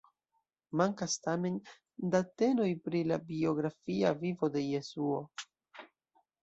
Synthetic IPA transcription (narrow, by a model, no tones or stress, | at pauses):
maŋkastame̞n | date̞no̞jpɾilabio̞ɡɾafiavivo̞de̞je̞suo̞